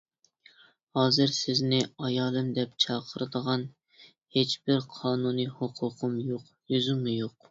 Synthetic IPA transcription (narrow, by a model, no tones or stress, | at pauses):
hɑːzɨɾsɪznɪɑjɑːlˠɨmd̪ɛpt͡ʃʰɑːqʰəɾɨd̪əʁɑn | het͡ʃbɪɾqʰɑːnunɨhoqʰʊqʰʊmjoq | jyzumːujoq